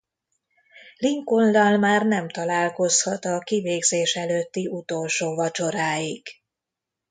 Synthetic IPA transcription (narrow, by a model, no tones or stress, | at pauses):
liŋkond̪ɒlmaːrnɛmt̪ɒlaːlko̞shɒt̪ɒkiveːɡzeːʃɛløt̪ːiʔut̪o̞lʃoːvɒt͡ʃo̞ɾaːjiɡ